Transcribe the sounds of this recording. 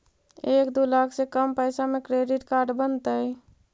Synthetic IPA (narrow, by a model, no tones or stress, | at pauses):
eːkd̪ulakʰsekəmpəɪsamẽkɾeːɖɪʈkaɾɖbənt̪əj